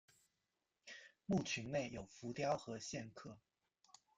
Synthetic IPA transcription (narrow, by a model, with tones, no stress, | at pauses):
mu˥˩t͡ɕʰy˧˥nne˥˩ɪjo˨˩ʊfu˨˥˦t̪jɑ˥ʊxɤ˧˦ɕjɛ˥˧nkʰɤ˥˩